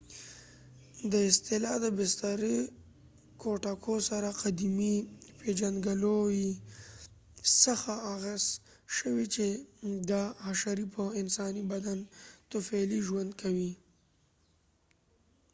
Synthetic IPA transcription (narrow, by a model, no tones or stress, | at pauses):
d̪əɪst̪ɪlɑd̪əbɪst̪aɾe | kʰoʈakʰosaɾaqad̪imiped͡ʒanɡaloji | səxaːɣaz | ʃəwit͡ʃed̪aaʃaɾipʰəɪnsɑnibad̪ant̪ʊfaliʒwand̪̚kʰawi